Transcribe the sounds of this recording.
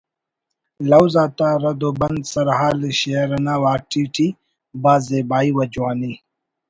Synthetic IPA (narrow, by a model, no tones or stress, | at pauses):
lɐwzat̪aɾɐd̪obɐnd̪sɐɾɦaːliɕeɾɐnawaːk̚ʈʰiːʈʰi | baːzeːbaːiwɐd͡ʑwaːni